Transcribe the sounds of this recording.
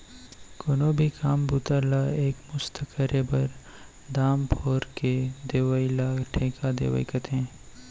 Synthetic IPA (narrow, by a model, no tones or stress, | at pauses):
koːnobʱikʰaːmbʱuːt̪əɾlaeːkmʊst̪ʰəkʰəɾebɐɾ | d̪aːmpʰoːɾked̪eːʋəɪlaːʈʰẽːkad̪ḛːʋə̰ikət̪ɦɛ̃ː